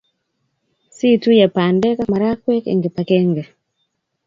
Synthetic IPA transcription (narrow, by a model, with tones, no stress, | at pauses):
si˦tu˦ja˨pa˨ndɛ˦ka˦ma˨ɾa˦kwe˦kḛ˨ŋɡe˨pa˨ke˦ŋɡe˨